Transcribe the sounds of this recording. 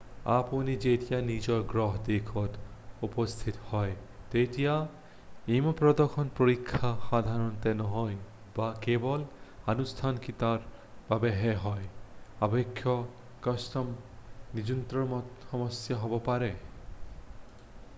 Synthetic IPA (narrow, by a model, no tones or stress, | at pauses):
a̰ponid͡ʒeʈijanid͡ʒɔɾɡɾɔɦd̪ekʰɔt̪upɔst̪ʰit̪ɔhɔet̪ejtija | emɔpɾɔd̪ɔkʰɔnpoɾikʰːaxad̪ʱaɾɔnt̪enɔɦɔj | bakebɔlanust̪ʰankit̪aɾb̥abeɦeɦɔeabekʰːjɔ | kɔsʈɔmnid͡ʒunt̪ɾɔmhɔmɔsjaɦɔbɔpaɾe